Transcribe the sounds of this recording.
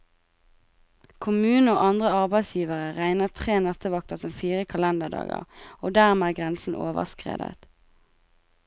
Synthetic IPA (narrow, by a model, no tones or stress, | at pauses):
kʰʊmʉːn̩oːʔɑnd̪ʁəɑʁbæɪsjiːʋəʁəʁæɪnəʁt̪ʰʁeːnɑt̪əʋɑk̚t̪əsɔmfiːʁəkʰɑlɛnd̪əd̪ɑ̰ːɡə̰ʁoːd̪æːʁmeæːɡʁɛnsn̩ʔo̰ːʋə̰ʁskʁḛːd̪ə̰t̪